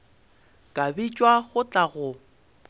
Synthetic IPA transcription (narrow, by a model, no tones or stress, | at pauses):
kʼabit͡ʃʼwaɣʊt͡ɬʼaɣʊ